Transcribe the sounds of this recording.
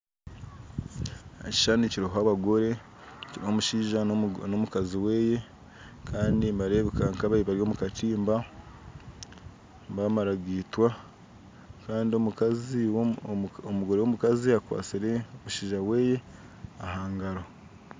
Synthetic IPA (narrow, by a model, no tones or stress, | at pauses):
eci̥ʃaniciɾiɦoaβaɡo̞ɾe̞ | ciɾihomuʃiːʒano̞mukaziwe̞ːje̞ | kʰaːndimbaɾe̞βekaŋkaβaiβaɾjo̞ːmukatiːmba | mbamaɾaɡitwa | kaːndiomukazi | omuɡo̞ɾewomukaziakwa̰ːt͡siɾe̞omuʃiːʒawe̞ːje̞ | ahaːŋɡaɾo